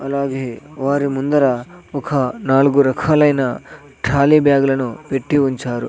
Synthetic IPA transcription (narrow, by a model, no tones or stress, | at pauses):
ɐlaːɡeɦeʋaːɾimund̪ɐɾɐɔkʰɐnaːlɡuɾɐkʰaːlɐjnɐ | ʈʰaːlibjaːɡɐlɐnupeʈːiuɲt͡ʃaːɾṵ